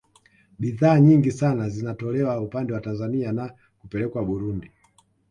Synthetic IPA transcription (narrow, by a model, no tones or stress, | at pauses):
ɓiðaːɲiŋɡisanazinatɔlɛwaupandɛwatanzaniana | kupɛlɛkwaɓuɾundi